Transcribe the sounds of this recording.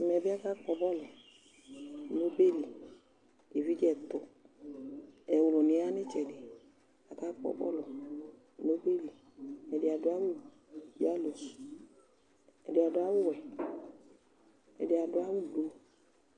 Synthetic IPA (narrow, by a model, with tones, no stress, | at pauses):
mɛ˨bɪ˦a˦ka˦k͡pɔ˧bɔ˦lɔ˨ | no˦be˦˨li˨ | e˨vi˦d͡ʒɛ˦˨t̪ʊ˨ | ɛ˨wʊ˨lʊ˨nɪ˨˦a˦nɪ˦t͡ʃɛ˨dɪ˨ | a˨kaː˦k͡pɔ̰˧˨bɔ̰˦lɔ˨ | no˦be˦˨li˨ | ɛ˨dɪ˧a˨dʊ˧˦a˦wu˦˨ | i˦˨a˦lo˨ | ɛ̰˨dɪ˨a˨dʊ˧˦a˨˦wʊ˦˨wɛ˨ | ɛ̰˨dɪ˨a˨dʊ˧˦a˦wu˦lo˨˧